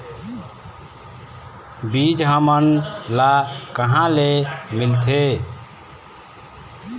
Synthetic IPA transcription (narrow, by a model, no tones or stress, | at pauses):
bid͡ʒɦəmənlakəɦãlemilt̪ʰe